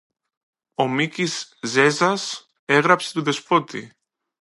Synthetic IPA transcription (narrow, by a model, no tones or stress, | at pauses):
omicizːe̞zɐs | e̞ɣɾɐpse̞̥t̪uðe̞spo̞t̪ḭ